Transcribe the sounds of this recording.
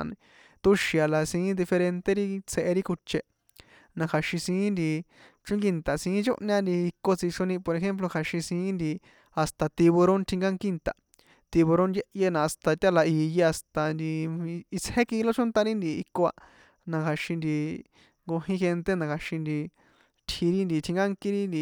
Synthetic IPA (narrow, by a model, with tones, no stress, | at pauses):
nĩ˧ | t̪u˧ʃi˨a˨la˨sĩ˧˦d̪i˧fe˧ɾe˧nt̪e˦ɾi˦t͡sʰe˧ʔe˧ɾi˦ku˧t͡ʃe˧ | nã˧kʰa˨ʃĩ˧sĩː˧˦nd̪i˧ | t͡ʃũ˦ŋɡi˧nt̪a˨sĩ˧˦t͡ʃo̰˦ʔɲã˦˧nd̪i˧i˧ko˧t͡si˧ʂõ˧nĩ˧po˧ɾe˧xe˦mp̬lo˧kʰa˨˧ʃĩ˧sĩː˧˦nd̪i˧ | a˧st̪a˧t̪i˧βo˧ɾõ˦nt̪ʰĩ˧ŋɡa˦ŋki˦nt̪a̰˨ | t̪i˧βo˧ɾõ˦ndje˦ʔje˧nã˧a˧st̪a˧t̪ʲa˦la˧iː˧je˧a˧st̪a˧nd̪i˧i˧t͡she˦ki˧lo˦t͡ʃõ˦nt̪a˧ɾi˦nd̪i˧ḭ˧ko˧a̰˧ | nã˧kʰa˧ʃĩ˧nd̪i˧ | ŋɡo˧ɦĩ˦xe˧nt̪e˦nã˧kʰa˨ʃĩ˧nd̪i˧ | t̪ʰi˧ɾi˦nd̪i˧t̪ʰĩ˧ŋɡa˦ŋkĩ˦ɾi˦nd̪i˧